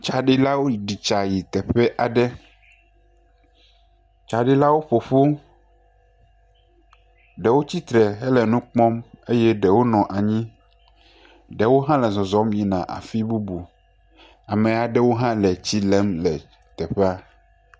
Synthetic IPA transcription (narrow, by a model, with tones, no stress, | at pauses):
t͡ʃa˨ɖi˦la˦wo˦˨ɖi˨t͡ʃa˨ji˨t̪ɛ˨ɸɛ˦ʔa˨ɖɛ˦ | t͡ʃa˨ɖi˦la˦wo˦ɸo˨ɸu˦ | ɖɛ˨wo˦t͡ɕi˦t̪ɾɛ˨ɦɛ˦lɛ˨nũ˦k͡pɔ̃˦me˦jɛ˦ɖɛ˨wo˦nɔ̃˨ʔa˨ɲĩ˦ | ɖɛ˨wo˦ɦã˦lɛ˨zɔ̃˨zɔ˨˦mji˨nã˨ʔa̰˨fi˦bu˦bu˨ | a˨mɛ̃˨a˨ɖɛ˦wo˦ɦã˦lɛ˨t͡ɕi˦lɛ˦mlɛ˨ | t̪ɛ˨ɸɛ˦a˦